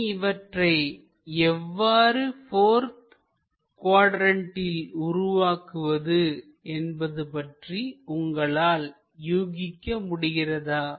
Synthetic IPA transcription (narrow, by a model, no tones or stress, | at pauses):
ɪʋɐʈrɐɪ | ɛʋːaːɾɯfoːɾt̪ | kwaːɽɾɐɳʈɪlʊrʊʋaːkɯʋɐðɯ | ɛnbɐðɯpɐʈriʊŋɡɐɭaːl | juːɣɪkːɐmʊɽɪɣɪrɐðaː